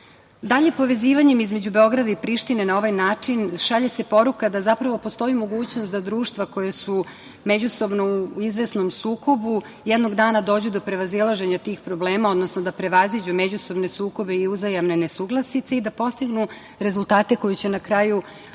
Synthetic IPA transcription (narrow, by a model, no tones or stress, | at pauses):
d̪aʎe̞po̞ʋe̞ziːʋaɲe̞mizme̞d͡ʑube̞o̞ɡɾad̪aipɾiʃt̪ine̞nao̞ʋajnaːt͡ʂinʃaʎese̞po̞ɾukad̪azapɾaʋo̞post̪o̞imo̞ɡuːt͡ɕno̞st̪d̪ad̪ɾuːʃt̪ʋako̞jesu | med͡ʑuso̞bnouizʋe̞sno̞msuːko̞bu | jɛd̪no̞ɡd̪aːnad̪o̞ːd͡ʑud̪opɾe̞ʋazilˠaʒe̞ɲat̪iːxpɾo̞ble̞ːmao̞d̪nosnod̪apɾe̞ʋazid͡ʑumed͡ʑuso̞bne̞suːko̞be̞iuzajamne̞ne̞suːɡlˠasit̪seid̪apo̞st̪iɡnu | ɾe̞zulˠt̪aːt̪e̞ko̞jit͡ɕe̞nakɾaːju